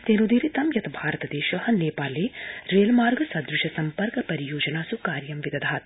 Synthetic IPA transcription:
t̪eːnud̪iːɾit̪ɐmjɐt̪ɐbʱaːɾɐt̪ɐd̪eːʃɐɦɐneːpaːleːɾeːlmaːɾɡɐsɐd̪ɾɪʃɐsɐmpɐɾkɐpɐɾijoːd͡ʒɐnaːsukaːɾjɐmʋid̪ɐd̪ʱaːt̪̚

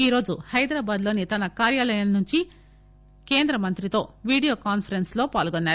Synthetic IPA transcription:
iːɾo̞ːd͡ʒuhɐjd̪ɾaːbaːd̪loːnit̪ɐnɐkaːɾjaːlɐjɐnɐnuɲt͡ʃi | ke̞ːnd̪ɾɐmɐnt̪ɾit̪o̞ːʋiːɽijo̞ːkaːnpʰɐɾenslo̞ːpaːlɡonːaːɾu

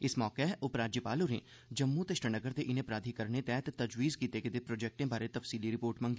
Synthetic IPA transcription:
ɪsmɔːkeɦɛʔʊpɾaːd͡ʒjəpaːluɾḛ̃ | d͡ʒɐmːut̪ɪʃʈənɐɡəɾt̪eʔɪnẽpɾaːd̪ʱikɐɾnet̪ɛːɦt̪t̪ɐd͡ʒwiːzkiːt̪eked̪epɾoːd͡ʒeːk̚ʈẽbʱaːɾet̪ɐfsiːliɾɪpoːɾʈmɐ̃ŋɡi

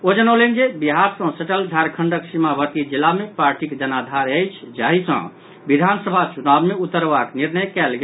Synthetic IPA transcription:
od͡ʒənəwlend͡ʒebiɦaɾsə̃səʈəld͡ʒʱaɾkʰəɳɖəksimabʱəɾt̪id͡ʒilːamepaɾʈikd͡ʒənad̪ʱaɾəjt͡ʃʰd͡ʒaɦisə̰̃ | bid̪ʱansəbʱat͡ʃunabmeut̪ːəɾbakniɾnəjkɛlɡe

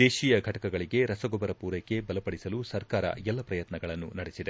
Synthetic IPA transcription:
eːʃiːjɐɡʱɐʈɐkɐɡɐɭiɡe̞ɾɐsɐɡɔbɐɾɐpuːɾekːe̞bɐlɐpɐɽisɐlusɐɾkaːɾɐ̰jɛlːɐpɾɐjɐt̪nɐɡɐɭɐnːunɐɽesid̪e

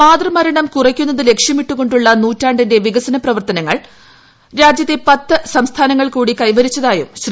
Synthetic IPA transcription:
maːd̪rɐmɐɾɐɳɐmkurɐkʲːunːɐðɨle̞kʂjɐmiʈːuɣo̞ɳɖuɭːɐnuːtːaːɳɖinde̞ʋiɣɐsɐnɐprɐʋɐrt̪ɐnɐŋːɐɭ | ɾaːd͡ʑjɐt̪ːe̞pɐt̪ːɨsɐmst̪ʰaːnɐŋːɐɭkuːɽikɐjʋɐɾit͡ɕːɐðaːjumɕr

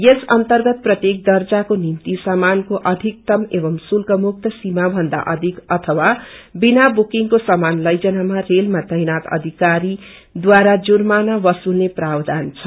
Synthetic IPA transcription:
jesʌnt̪ʌrɡʌt̪̚prʌt̪jek̚d̪ʌrd͡zakonimt̪isʌmankoʔʌd̪ʱik̚t̪ʌmebʌmsulkʌmuk̚t̪ʰʌsimabʱʌnd̪a̰ʔʌd̪ʱikʌt̪ʰʌwabinabukiŋkosʌmanlʌjd͡zʌnamarelmat͡sʌjnat̪ʌ̰d̪ʱikaɾi | d̪waɾad͡zurmanabʌsulneprawd̪ant͡sʰʌ̥

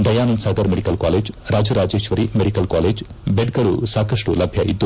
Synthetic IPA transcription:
d̪ɐjaːnɐnsaːd̪ɐɾmeɽikɐlkaːleːd͡ʒɾaːd͡ʒɐɾaːd͡ʒeːʃʋɐɾimeɽikɐlkaːleːd͡ʒ | beɖ̚ɡɐɭṵsaːkɐʂʈulɐbʱjɐʔḭd̪ːu

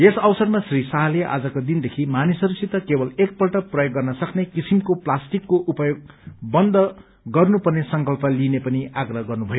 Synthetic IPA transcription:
esʌwsʌrmasrisaɦʌleʔa̰d͡zʌkod̪ind̪ekʰimanisʌɾusit̪ːʌkebʌlek̚pʌlʈʌprʌjoɡːʌrnʌsʌknekisimkoplasʈikːoʔupʌjoɡ̚ | bʌnd̪ʌ | ɡʌrnupʌrnesʌŋkʌlpʌlinepʌniaɡrʌɦɡʌrnubʱʌjo

